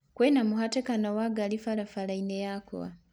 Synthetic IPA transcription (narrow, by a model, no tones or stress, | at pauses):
kwenamuhatekanowaɡalifalafalainejakʰo̰βa̰